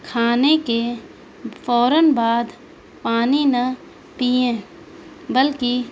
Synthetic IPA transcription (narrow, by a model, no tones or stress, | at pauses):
kʰaːneke | fʰɔːɾənbaːd̪ | paːninɐ | piẽ | bəlki